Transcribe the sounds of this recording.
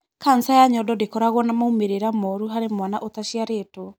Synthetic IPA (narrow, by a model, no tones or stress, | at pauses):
kansajaɲɔdɔdekɔɾaɣwɔnamaumeɾeɾamɔɾuɦaɾemwanaʔotaʃiaɾeːto